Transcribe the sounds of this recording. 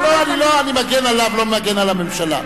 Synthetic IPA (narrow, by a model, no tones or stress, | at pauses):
loaniloanimaɡenalavlomaɡenalamemʃala̰